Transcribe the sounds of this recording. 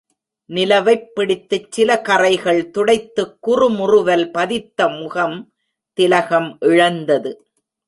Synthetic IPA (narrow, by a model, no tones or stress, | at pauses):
nɪlɐʋɐɪpːɪɽɪt̪ːɯt͡ʃsɪlɐkɐrɐɪɣɐɭt̪ʊɽɐɪt̪ːɯkːʊrɯmʊrʊʋɐlpɐðɪt̪ːɐmʊɣɐm | t̪ɪlɐɣɐmʔɪɻɐnd̪ɐðɯ